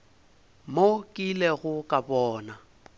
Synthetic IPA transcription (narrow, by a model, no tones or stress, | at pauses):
mokʼileɣʊkʼabɔːna